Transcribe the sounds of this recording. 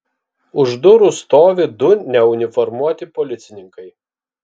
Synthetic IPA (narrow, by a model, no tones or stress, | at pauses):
ʊʒd̪ʊɾust̪oːʋʲɪd̪ʊnʲɛʊnʲɪfɔɾmuɔt̪ʲɪpɔlʲɪt̪sʲɪnʲɪŋkɐɪ